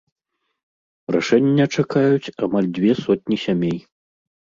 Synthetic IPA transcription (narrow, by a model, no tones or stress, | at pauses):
raʂɛnʲːɐt͡ʂakajut͡sʲamalʲd͡zʲvʲɛsɔt̪̚ʲnʲisʲamʲej